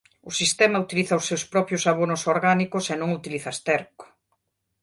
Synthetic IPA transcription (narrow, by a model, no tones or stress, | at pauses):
ʊsist̪ɛmɐut̪iliθɐʊsːewspɾɔpjʊsaβ̞onʊsoɾɣanikʊsenõŋut̪iliθɐst̪ɛɾkʊ̥